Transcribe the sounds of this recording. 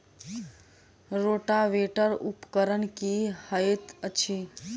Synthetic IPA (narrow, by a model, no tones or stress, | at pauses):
ɾoːʈaʋeʈəɾʊpkəɾənkihəet̪ət͡ʃʰi